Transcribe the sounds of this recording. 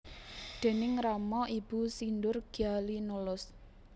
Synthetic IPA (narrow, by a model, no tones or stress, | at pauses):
d̪̥e̤nɪŋramɔib̥ṳsindʊrɡ̥ialinulʊs